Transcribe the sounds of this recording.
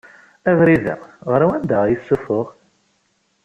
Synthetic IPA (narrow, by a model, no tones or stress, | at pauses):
ævɾiðə̰ʁəɾawænd̪æʁjəsːufʊʁ